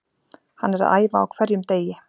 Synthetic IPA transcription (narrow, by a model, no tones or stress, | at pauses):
hanːɛɾa̰ða̰ːjvaa̰wkʰvɛɾjʏmt̪eːjɪ